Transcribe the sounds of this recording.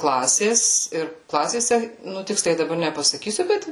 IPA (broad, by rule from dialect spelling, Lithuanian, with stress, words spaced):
ˈklˠɑːsʲeːs ɪr ˈklˠɑːsʲeːsʲɛ nʊ ˈtʲɪksʲlʲɛɪ dɐˈbɐr nʲɛpɐsɐˈkʲiːsʲʊ ˈbʲɛt